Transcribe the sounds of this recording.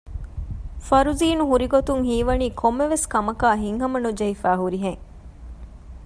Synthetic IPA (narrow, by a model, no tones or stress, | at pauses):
fɐɾuziːnuɦuɾiɡot̪uŋɦiːʋɐniːkʰomːeʋeskɐmɐkaːɦiŋɦɐmɐnud͡ʒɐɦifæːɦuɾiɦeŋ